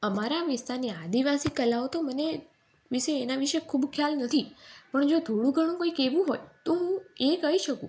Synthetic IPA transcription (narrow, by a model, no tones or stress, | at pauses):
əmaɾaʋɪst̪aɾniad̪iʋasikəlaot̪oməne | ʋiʃeːnaʋiʃekʰuːbkʰjalnət̪ʰipəɳd͡ʒod̪ʱoɽ̃ũɡʱəɽ̃ũkoikeʋũɦojt̪oɦũekəiʃəkṵ̃